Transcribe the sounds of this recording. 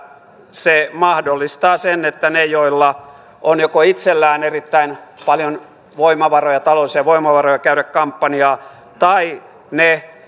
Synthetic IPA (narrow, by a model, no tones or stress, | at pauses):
semɑhdolːist̪ɑːsenet̪ːænejoilːɑ | ʔonjokoit̪selːæːnerit̪ːæinpɑljon | ʋoimɑʋɑrojɑt̪ɑloˑsiɑʋoimɑʋɑrojɑkæyɾækkɑmpːɑniɑː | t̪ɑi | ne